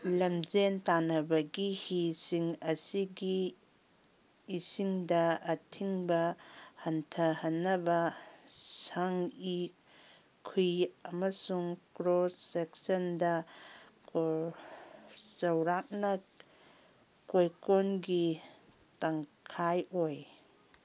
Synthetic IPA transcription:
lɐmzentanɐbɐɡihisiŋɐsiɡi | siŋdɐːtʰiŋbɐhɐntʰɐhɐnːɐbɐ | sɐŋi | kʰujɐmɐsuŋkɾoseksɐndɐ | ko | zɐwɾak̚nɐ | kojkonɡi | taŋkʰajoj

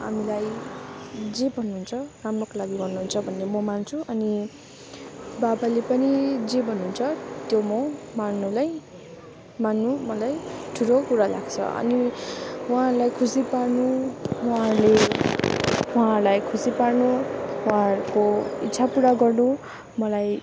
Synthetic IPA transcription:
ɦamilaj | d͡zebʱʌnːuɦunt͡sʰʌramrokolaɡiɡʌrnuɦunt͡sʰʌbʱʌnːemʌmant͡sʰuʔʌni | babalepʌnid͡zebʱʌnːuɦːnt͡sʰʌt̪jomʌmanːulaj | manːumʌlajʈʰuɾokuɾala̰ɡt͡sʰʌ̰ʔʌ̰niwalajkʰusiparnuwarle | alajkʰusiparnuuaɾkoitːsʰapuɽaɡʌrnu | mʌlaj

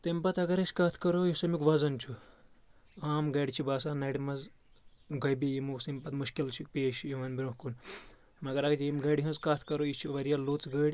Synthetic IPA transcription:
t̪ɐmpɐt̪ɐɡɐɾɐt͡ʃʰʲkaːt̪ʰkɐɾojisɐmikʋɐzɐnt͡ʃʰu | aːmɡɐɽʲt͡ʃʰibaːs̬aːnɐɽimɐz | ɡɐbijimuksimpɐt̪muʃkilt͡ʃʰikpeːʃjiʋɐnbiɾũhkun | mɐɡɐɾɐɡt͡ʃʰʲimɡɐɖiɦɐ̃zkaːt̪ʰkɐɾojit͡ʃʰiʋɐɾijaloːt͡sɡɐɽʲ

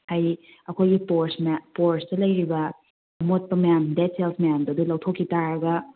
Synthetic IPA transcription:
haj | ɐkʰojɡipoɾsmpoɾstɐlɐjɾibɐ | ɐmot̚pɐmɐjamdetselpʰmɐjamdɐdulɐwtʰokʰːitaɾɐɡɐ

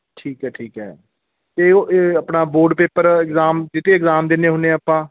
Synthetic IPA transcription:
ʈʰiːkɦɛːʈʰiːkɦɛ̰ː | t̪eːəpnaːboːɖpeːpəɾɪkzaːmd͡ʒɪt̪ʰeːɪkzaːmd̪eneːɦʊnẽəpãː

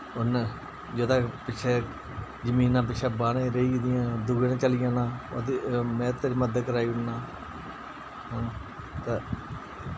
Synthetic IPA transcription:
ʊn | d͡ʒəd̪ãːpɪt͡ʃʰɛː | d͡ʒəmiːnãːp̬ɪt͡ʃʰɛːbaːnẽːɾəiːd̪ɪjãːd̪uːɡəñːt͡ʃəlɪjãːnãːot̪emɛ̃ːt̪eːɾiːməd̪kəɾaːiːʊnːãː | ɦãː | t̪aː

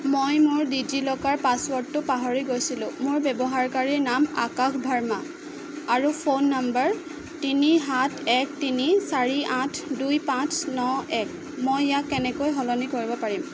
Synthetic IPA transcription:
mojmʊɹdidilɔkaɹpaswɔtːʊpaɦɔɹiɡojsilʊ̃mʊɹbɛbɔɦaɹkaɹiɹnama̰kakʰbʱaɹma | aɹupʰonːambəɹ | tiniɦatʰɛk̚tinisaɹiʔãtʰdujpãt͡snɔɛk | mojːakːɛnɛkojɦɔlɔnikoɹibɔpaɹim

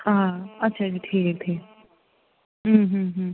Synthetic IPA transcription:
hãɐtːʃʰad͡ʒiʈʰiːkʈʰiːk | ɦ̩ːɦ̩ɦ

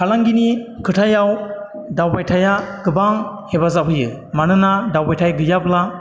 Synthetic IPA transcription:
kʰalaŋɡinikʰɯtʰajaw | dawbajtʰajaɡɯbaŋhebazabɯjɯ | manɯnadawpajtʰajɡɯjabla

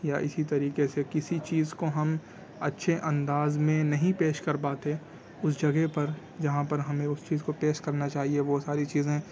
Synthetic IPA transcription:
jaʔɪsit̪ɐɾiːqesekɪsit͡ʃiːzkoɦɐm | ɐtːʃʰeʔɐ̃nd̪aːzmẽnɐɦĩpeːʃkɐɾpaːt̪eː | ʊsd͡ʒɐɡepɐɾ | d͡ʒɐɦãpɐɾɦɐmẽʊst͡ʃiːzkopeːʃkɐɾnat͡ʃaːɦieʋosaːɾit͡ʃiːzẽː

